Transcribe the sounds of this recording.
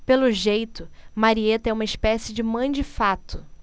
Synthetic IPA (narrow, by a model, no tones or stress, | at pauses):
pelʊʒejt̪ʊmaɾiet̪ɐɛũmɐɪʃpɛsɪd͡ʒɪmɐ̃j̃d͡ʒɪfat̪ʊ